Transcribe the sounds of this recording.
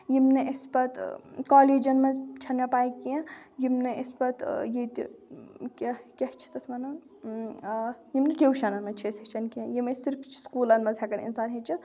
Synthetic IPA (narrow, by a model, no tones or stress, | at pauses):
jimnɐʔispɐt̪kaːleːd͡ʒɐnmɐzt͡ʃʰɐnmʲɐpaːikijɐ̃jimnɨispɐt̪jit̪ | kʲekʲɐht͡ʃʰi̥t̪ɐt̪ʰmɐnɐ | jimnɨkewʃɐnɐnmɐt͡ʃʰesɐt͡ʃʰɐnkiɐ̃jimɐsiɾpʰt͡ʃʰskuːlɐnmɐzɦekɐnḭnsaːnɦet͡ʃʰit̪